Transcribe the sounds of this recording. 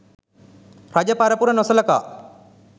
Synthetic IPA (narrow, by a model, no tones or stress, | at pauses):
ɾad͡ʒɐpaɾɐpuɾɐnɔsɐlɐka̰ː